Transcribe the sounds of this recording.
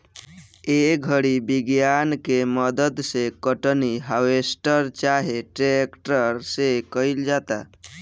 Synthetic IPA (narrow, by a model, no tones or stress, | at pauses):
eɡʱəɽibiɡjankeməd̪əd̪sekəʈniɦawesʈəɾt͡ʃaɦeʈɾekʈəɾsekəild͡ʒat̪a̰